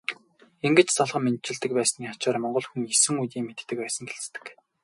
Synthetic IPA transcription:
eŋɡɘ̆t͡ɕsɔɮʁɞ̆mːen̚t͡ɕɪ̆ɮt̪ɘ̆k̚pæːsniːχat͡ɕaːrmɔɴɢɞ̆ɮxuŋesɘ̆ŋujt̪iːŋmet̪ːɘ̆k̚pæːsə̆ŋɡeɬt͡st̪ɘ̆k

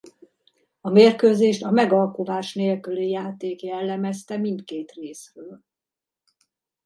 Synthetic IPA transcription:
ɒmeːrkøːzeːʃt̪ɒmɛɡɒlkuvaːʃneːlkylijaːt̪eːkjɛlːɛmɛst̪ɛmint̪keːt̪reːsrøːl

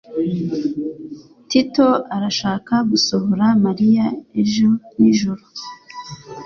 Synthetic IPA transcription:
tito̞aɾaʃaːkaɡuso̞hoɾamaɾijaeʒoniʒuɾu

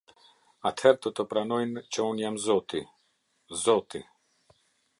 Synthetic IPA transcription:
at̪hɛɾd̪ɔt̪ɔpɾanɔjnt͡ʃəunjamzɔt̪ḭ | zɔt̪ḭ

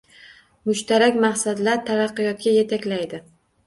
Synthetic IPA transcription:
mʊʃt̪ʰaɾakʲmaχsad̪laɾt̪ʰaɾɑqːɨjɒt̪̚kʲaje̞t̪ʰakʲlajd̪ɪ

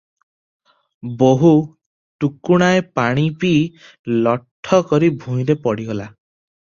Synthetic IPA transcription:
boɦu | ʈukuɽ̃aepaɽ̃ipi | lɔʈʰːɔkɔɾibʱũj̃ɾepɔɽiɡɔla

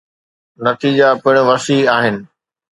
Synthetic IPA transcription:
nɐt̪iːd͡ʑapɪɽ̃ʊ̆ʋɐsiːaːɦɪnɪ̆

